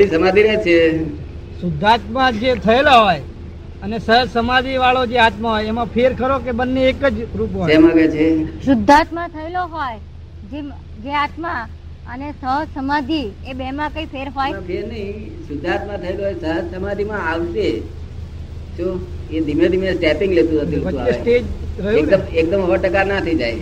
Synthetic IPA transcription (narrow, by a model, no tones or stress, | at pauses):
isəmad̪ʱiɾet͡ʃʰe | sʊd̪ʱːat̪mãd͡ʒet̪ʰəelaɦoj | ənesəɦəd͡ʒsəmad̪ʱiʋaɭod͡ʒeat̪maɦojemãpʰeɾkʰəɾokebənːeːkəd͡ʒɾup̬ɦoemãɡet͡ʃʰesʊd̪ʱːat̪mãt̪ʰəeloɦoj | d͡ʒe | d͡ʒeat̪mã | ənesəsəmad̪ʱiebemãkəipʰeɾɦojpʰeɾnəɦĩsʊd̪ʱːat̪mãt̪ʰəeloɦɔjsəɦəd͡ʒsəmad̪ʱimãaʋʃe | ʃũed̪ʱimed̪ʱimesʈɛpɪ̃ŋɡlet̪ũnət̪ibəũaesʈed͡ʒɾəɦuekəmek̚d̪əmɦəʋəɽʈəkaɾnat̪ʰid͡ʒaj